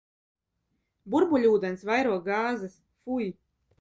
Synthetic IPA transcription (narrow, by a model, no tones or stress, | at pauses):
buɾbuʎʲuːd̪ɛnsvajɾuɔɡaːzɨs | fuj